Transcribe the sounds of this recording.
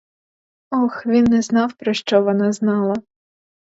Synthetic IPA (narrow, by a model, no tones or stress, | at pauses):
ɔxʋʲinːɛznɑwpɾɔʃt͡ʃɔʋɔnɑznɑlˠɐ